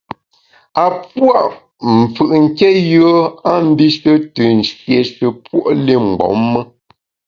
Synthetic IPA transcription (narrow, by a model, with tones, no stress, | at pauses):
a˨pwa˦ʔ | m̩˨fɯ˨ʔŋ̩˨kɛ˦jɯ˦ə˦a˦m̩˦bi˦ʃə˦tə˨n̩˨sje˨ʃə˨pwo˦ʔle˦˨ŋ͡m̩˨ɡ͡bɔ̰˨˦mːə˦